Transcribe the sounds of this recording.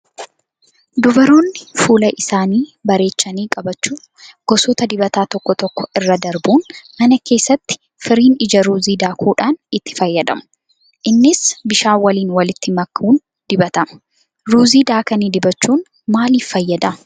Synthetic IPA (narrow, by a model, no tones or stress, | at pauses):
d̪ʊbɐɾuːnːɪfuːlɐʔɪsaːniːbɐɾe̞ːt͡ʃːɐniːkʼɐbɐt͡ʃːuː | ɡ̥ɔsɔːt̪ɐd̪ɪbɐt̪aːt̪ɔkːɔt̪ɔkːɔɪrːɐd̪ɐɾbuːnmɐnɐke̞ːsːɐt̪ːɪ̥ | fɪɾiːnɪd͡ʒɐɾuːziːd̪aːkuːᶑaːnɪt̪ːɪ̥fɐjːɐd̪ɐ̰mʊ̥ | ʔɪnːɪsbɪʃaːwɐliːnwɐlɪt̪ːɪmɐkːuːn | d̪̥ɪbɐt̪ɐmɐ̥ | ɾuːziːd̪aːkɐniːd̪ɪbɐt͡ʃːuːn | maːliːfːɐjːɐd̪ɐ